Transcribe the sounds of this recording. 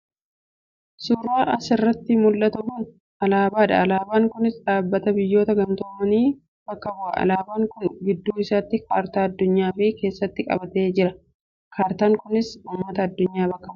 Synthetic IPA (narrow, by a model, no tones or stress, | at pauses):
suːrːaːʔɐsɪrːɐt̪ːɪmʊlːɐt̪ɐbuːn | ɐlaːbaːᶑɐ̰ɐlaːbaːŋkʊnɪsᶑaːbːɐt̪ɐbɪjːo̞ːt̪ɐɡɐnt̪o̞ːmɐniː | b̥ɐkːɐbʊʔɐ̰ɐ̰laːbaːŋkʊnɡɪd̪ːuːɪsaːt̪ːɪkʰaːɾt̪aːɐd̪ːʊɲːaːfiːke̞ːsːɐt̪ːɪkʼɐ̰bɐt̪e̞ːd͡ʒɪɾɐ | kʰaːɾt̪aːŋkʊnɪsʊmːɐt̪ɐːd̪ːʊɲːaːbɐkːɐbʊ